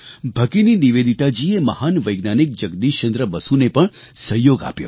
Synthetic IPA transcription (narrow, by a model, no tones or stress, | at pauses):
bʱəkininiʋed̪ʱit̪ad͡ʒieməhanʋəjɡnanik̚d͡ʒəɡd̪iʃt͡ʃə̃nd̪ɾəbəsunepəɳ | səɦjoɡa̰pjo̰